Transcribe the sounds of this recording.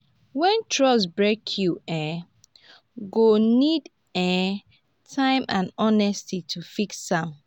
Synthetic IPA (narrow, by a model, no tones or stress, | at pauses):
wɛ̃ntʰɹɔs̬bɹekʰjuɛ̃ | ɡonid | ɛ̃ | tʰãɪ̃mãnɔnɛstitʰufiksːãm